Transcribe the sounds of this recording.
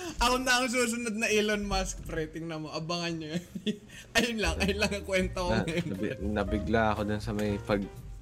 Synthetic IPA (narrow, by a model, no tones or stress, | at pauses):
ʔɐkonɐɐŋs̬uːs̬ʊnod̪̚nɐʔɪlonmaskpɾɛːt̪ɪŋnɐmoʔɐbaŋɐno | ʔɐjʊnlɐŋɐjʊnlɐŋɐkwɛnt̪onnɐbɪɡlaɐkod̪ʊnsɐmɐjpɐɡ̚